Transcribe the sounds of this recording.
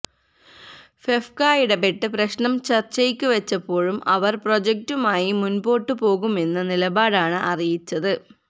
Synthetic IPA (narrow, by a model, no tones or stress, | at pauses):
fefkaːjiɽepeʈːɨprɐɕnɐmt͡ɕɐrt͡ɕejkʲːuʋɐt͡ɕːɐpːo̞ːɻumɐʋɐrpro̞d͡ʑɐk̚tumaːjimunbo̞ːʈːɨpo̞ːɣume̞nːɐnilɐbaːɽaːɳɨʔɐrijit͡ɕːɐðɨ